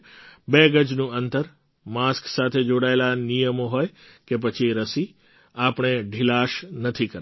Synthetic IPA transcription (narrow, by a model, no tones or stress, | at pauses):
beɡəd͡ʒnũənt̪əɾ | masksat̪ʰed͡ʒoɽaelanijəmoɦoj | kep̬ət͡ʃʰiɾəsi | apɳ̃eɖʱilaʃnət̪ʰikəɾ